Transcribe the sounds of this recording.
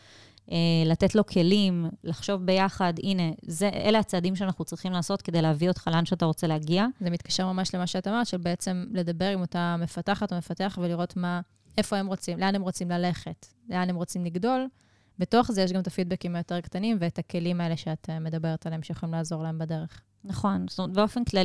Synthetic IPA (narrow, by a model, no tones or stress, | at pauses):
elatetlo̞kʰe̞limlaχʃo̞vbe̞jaχadine̞zeḛleat͡saːdimʃeanaχnut͡sʁiχimlaːso̞t̪̚kede̞jleavio̞tχaleanʃeataʁo̞t͡seleaɡiaze̞mit̪kḁʃemamaʃle̞maʃeatamaʁt̪ʃelbeet͡se̞mle̞dabe̞ʁimatame̞fataχatome̞fate̞aχveliʁo̞tma | e̞fo̞emʁo̞t͡simleanemʁo̞t͡simlale̞χe̞t | leanemʁo̞t͡simliɡdo̞l | beto̞χzejeʃ̬ɡamet̪afid̚bekimajo̞te̞ʁktanimveetake̞limaeleʃeatme̞d̪abe̞ʁetaleemʃejeχolimlaːzo̞ʁlaembade̞ʁe̞χ | naχo̞nstomet̪beofenkla